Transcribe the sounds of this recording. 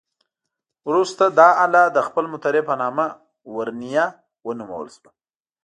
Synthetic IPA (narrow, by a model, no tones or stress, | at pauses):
wɾust̪ad̪ɑalɑd̪əxpəlmʊt̪aɾepənɑma | wəɾnija | wənuma̰wə̰lswa